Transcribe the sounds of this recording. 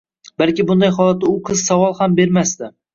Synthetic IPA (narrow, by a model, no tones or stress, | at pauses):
balˠkʲɪbʊnd̪ajɦɒlˠat̪ːaʊqʰɨz̥savɒlˠhambe̞ɾmast̪ɪ